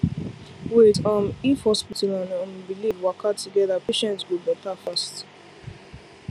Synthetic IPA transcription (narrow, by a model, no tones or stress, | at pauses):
wetɔ̃nifhɔspitalãnɔ̃nbilivwakʰatuɡɛðapeʃɛ̃ntwibɛtafast